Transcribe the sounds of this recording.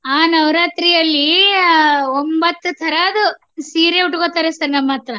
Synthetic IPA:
aːnɐʋɾaːt̪ɾijɐlːi | ombɐt̪ːut̪ʰɐɾaːd̪u | siːɾeuʈukot̪aːɾesɐɾnɐmːɐt̪ɾɐ

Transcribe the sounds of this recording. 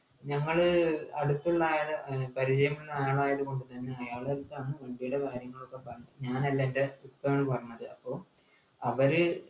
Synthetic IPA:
ɲɐŋːɐɭɐɽut̪ːuɭːaːjɐðɨpɐɾit͡ɕɐjɐminːɐjaːɭaːjɐðuko̞ɳɖɨt̪ɐnːe̞ɐjaːɭɐɾut̪ːaːɳɨʋɐɳɖijuɽekaːɾjɐŋːɐɭokːe̞pɐrɐːɐɲaːnɐlːɐendeupːɐːɐɳɨpɐrɐɲːɐðɨɐpːo̞ː | ɐʋɐɾɨ

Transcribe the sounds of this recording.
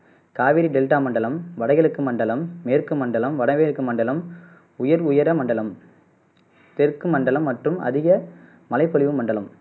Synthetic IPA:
kaːʋɪɾiɖɛlʈaːmɐɳɖɐlɐmʋɐɽɐɪɣɐɭɯkːɯmɐɳɖɐlɐmːeːɾkɯmɐɳɖɐlɐmʋɐɽɐʋeːɾɯkːɯmɐɳɖɐlɐm | ʊjɐɾʊjɐɾɐmɐɳɖɐlɐm | t̪ɛrkɯmɐɳɖɐlɐmːɐʈrɯmʔɐ̰ðɪɣɐ | mɐlɐɪpːɔlɪʋɯmɐɳɖɐlɐm

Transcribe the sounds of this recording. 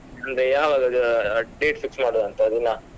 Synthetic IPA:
ɐnd̪ejaːʋaːɡɐɖeːʈfiksmaːɽod̪ɐnt̪ɐːd̪inːa

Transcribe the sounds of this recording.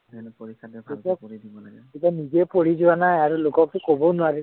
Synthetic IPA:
etia | etianizɛpoɹizʊanajaɹulokɔk̚tʊkobɔnʊaɹi

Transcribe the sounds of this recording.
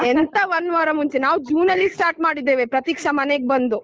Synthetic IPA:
ɛnt̪ɐʋɐnːʋaːɾɐmuɲt͡ʃenaːʋd͡ʒuːnɐlːisʈaːɾʈmaːɽid̪ːeːʋepɾɐt̪ikʂɐmɐneɡ̚bɐnd̪u

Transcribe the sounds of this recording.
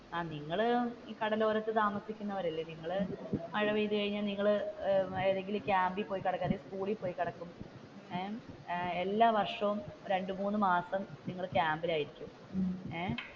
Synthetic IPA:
aːniŋːɐɭkɐɽɐlo̞ːɾɐt̪ːɨt̪aːmɐsikʲːunːɐʋɐɾɐlːeniŋːɐɭɨɐɻɐʋiːðɨkɐɻiɲːaːlniŋːɐɭɨeðeŋɡilkʲaːmbipːo̞ːjikːɐɽɐkːɐðiskuːɭipːo̞ːjikːɐɽɐkːum | e | elːaːʋɐrʂɐʋumɾe̞ɳɖɨmuːnːɨmaːsɐmniŋːɐɭkʲaːmbilaːjiɾikʲːum | e

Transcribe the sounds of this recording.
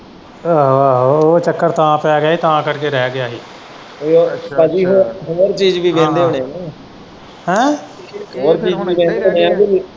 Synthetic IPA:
aaɦot͡ʃəkːəɾt̪ãːpɛːɡjaːiːt̪ãːkəɽkeːɾɛːɡɪjaːɦiː | pəd͡ʒiːɦoːɾɦoːɾt͡ʃiːd͡ʒʋiːbẽːnd̪eːɦoːnenẽː | hɛ̃ː | ɦoːɾt͡ʃiːd͡ʒʋiːʋɛ̃ːnd̪eɦoneːãːd͡ʒii

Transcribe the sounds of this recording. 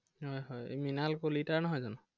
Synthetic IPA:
hɔjɦɔj̰minalkolitaɹnɔɦɔjzɔnʊ

